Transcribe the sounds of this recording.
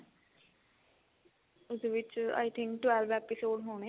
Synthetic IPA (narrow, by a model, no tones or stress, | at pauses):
ʊsʋɪt͡ʃa̰ːjt̪ʰɪ̃ŋkʈwɛlʋɛːpɪsoːɖɦoːɳ̃e